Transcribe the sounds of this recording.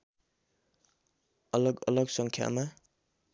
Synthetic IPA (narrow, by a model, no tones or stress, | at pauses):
ʌlʌɡʌlʌɡsʌŋkʰja̰ma